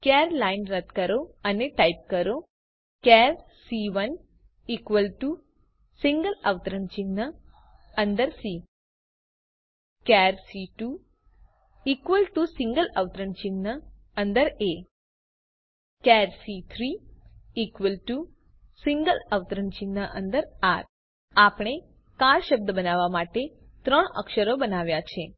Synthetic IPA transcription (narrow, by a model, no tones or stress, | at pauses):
kaːɾlɐjnɾɐt̪kɐɾoːɐneʈɐjp̚kɐɾo | kaːɾ | siːʋɐn | ikʋɐlʈu | siŋɡɐlɐʋt̪ɐɾɐnt͡ʃinːɐ | ɐnd̪ɐɾsiː | kaːɾsiːʈu | ikʋəlʈusĩŋɡələʋt̪əɾəɳt͡ʃinːə | ənd̪əɾe | kɛɾsit̪ʰɾiikʋəlʈu | siŋɡələʋt̪əɾəɳt͡ʃinːəʔənd̪əɾaɾ | apɽ̃e | kaɾʃəb̚d̪əbənaʋamaʈe | t̪ɾəɳə̰kʃəɾobənaʋjat͡ʃʰe